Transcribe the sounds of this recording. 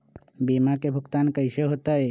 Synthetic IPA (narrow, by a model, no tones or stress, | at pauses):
bimakebʱʊkt̪ankəjʃeɦot̪ae